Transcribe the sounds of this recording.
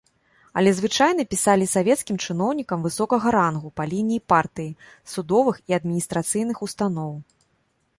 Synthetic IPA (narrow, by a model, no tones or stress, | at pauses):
ɐ̰lʲɛzvɨt͡ʂajn̪ɐpʲisalʲisavʲɛt̪skʲimt͡ʂɨn̪ɔwnʲikɐmvɨsɔkɐɣɐɾanɣupɐlʲinʲijipart̪ɨji | sud̪ɔvɨxiɐd̪̚mʲinʲist̪ɾat̪sɨjnɨxust̪anɔw